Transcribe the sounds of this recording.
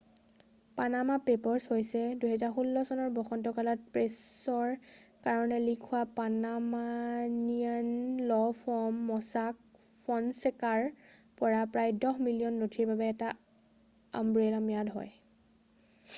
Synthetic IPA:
panamapepɔɹshojsɛduɦɛzaɹxulːɔsɔnɔɹbɔxɔntɔkalɔt̚pɹesɔɹkaɹɔnɛlikʰuwapanamanianlɔpʰɔmːɔsak̚pʰɔnsɛkaɹpɔɹapɹajdɔɦmilijɔnːotʰiɹbabɛːta | a̰mbɹelamijadɦɔ̰j

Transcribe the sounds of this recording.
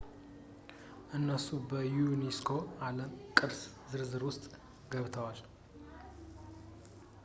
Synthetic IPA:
ʔɨnːəsubəjuneskʰo̞aləmkʼɨbs | zɨɾzɨɾwʊst̪ʼ | ɡəβt̪ʰəwal

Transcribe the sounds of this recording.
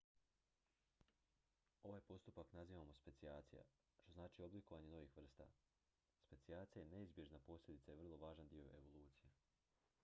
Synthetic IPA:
o̞ʋajpo̞st̪upaknaziːʋamo̞spe̞t̪siaːt̪sija̰ | ʃt̪o̞znaːt͡ʃiːo̞bliko̞ʋaɲe̞no̞ʋixʋr̩st̪a̰ | spe̞t̪siaːt̪sijajene̞izbjeʒnapo̞slʲed̪it̪sajer̩lˠo̞ʋaːʒand̪io̞e̞ʋo̞lˠuːt̪sije

